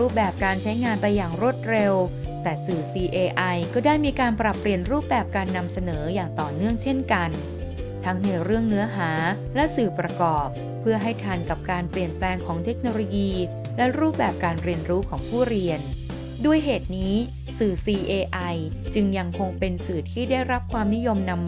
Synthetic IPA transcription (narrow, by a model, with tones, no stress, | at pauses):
ɾuː˥˩p̚bɛː˨˩p̚kaː˧nt͡ɕʰa˦˥jŋaː˧npa˧jːaː˨˩ŋɾu˥˩ət̪̚ɾe˧w | t̪ɛː˨˩sɯː˨˩siː˧ʔeː˧ʔa˧jkɔː˥˩daː˥˩jmiː˧kaː˧npɾa˨˩pːɾi˨˩ənɾuː˥˩p̚bɛː˨˩p̚kaː˧nːa˧msa˧nɤː˩˦jaː˨˩ŋt̪ɔː˨˩nɯ˥˩əŋt͡ɕʰe˥˩nka˧n | t̪ʰa˦˥ŋna˧jɾɯ˥˩əŋnɯ˦˥ɐɦaː˩˦ | lɛ˦˥sɯː˨˩pɾa˧kɔː˨˩p̚ʰːɯ˥˩əɦa˥˩jt̪ʰa˧nka˨˩p̚kaː˧npli˨˩ənplɛː˧ŋkʰɔː˩˦ŋt̪ʰe˦˥k̚noː˧loː˧jiː˧ | lɛ˦˥ɾuː˥˩p̚bɛː˨˩p̚kaː˧nɾi˧ənɾuː˦˥kʰɔː˩˦ŋpʰuː˥˩ɾi˧ən | du˥˩əjɦeː˨˩t̪̚niː˦˥ | sɯː˨˩siː˧ʔeː˧ʔa˧j | t͡ɕɯ˧ŋja˧ŋkʰo˧ŋpe˧nsɯː˨˩t̪ʰiː˥˩daː˥˩jɾa˦˥p̚kʰwaː˧mni˦˥jo˧mna˧mː